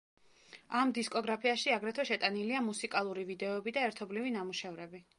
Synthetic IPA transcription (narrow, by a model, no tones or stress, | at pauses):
amd̪iskʼɔɡɾapʰiaʃiaɡɾɛt̪ʰwɛʃɛt̪ʼaniliamusikʼalˠuɾivid̪ɛɔɛbid̪aɛɾt̪ʰɔblivinamuʃɛvɾɛbi